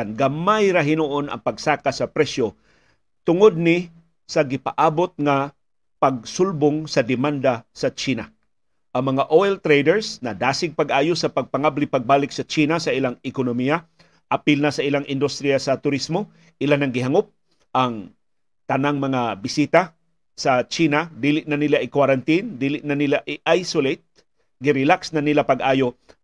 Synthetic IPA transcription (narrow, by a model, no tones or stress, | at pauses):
nɡamajɾaɦɪnuʔonɐ̰ŋpɐɡsaːkasɐpɾɛʃo | t̪ʊŋod̪̚nɪ | sɐɡɪpaʔaːbot̪̚ŋa | pɐɡ̚sʊlboŋsɐd̪ɪmand̪asɐt͡ʃiːna | ʔɐŋmɐŋaʔoɛlt̪ɾejd̪ɛɹsnɐd̪aːsɪɡ̚pɐɡʔaːjosɐpɐɡ̚pɐŋablɪpɐɡ̚baːlɪksɐt͡ʃiːnasɐʔɪlaŋɪkonomija | ʔɐpɪlnasɐɪlaŋʔɪnd̪ʊst̪ɾijasɐt̪ʊɾismo | ʔɪlanɐŋɡɪɦaŋop̚ | ʔɐŋ | t̪ɐnaŋmɐŋabɪsiːt̪a | sɐt͡ʃiːnad̪iːlɪʔnanɪlaʔɪkwaɾant̪ind̪iːlɪʔnanɪlaʔɪʔajsolet̪̚ | ɡɪɾɪlaksnanɪlapɐɡʔaːjo